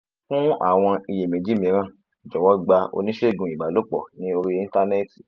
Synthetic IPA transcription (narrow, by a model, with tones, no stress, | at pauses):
fũ˦a̰˦˨w̃ɔ̃˧i˨je˨mĩ˨˦d͡ʒi˦mĩ˨˧˦ɾ̃ã˦˨ | i˨d͡ʒɔ˨wɔ˨˦ɡ͡ba˧o̰˧nĩ˦ʃe˦˨ɡũ˨˧˨i˨ɡ͡ba˨lo˨˦k͡pɔ̰˨nĩ˨˦o˧ɾi˦i˦˧n˦ta˧ne˦ti̥˨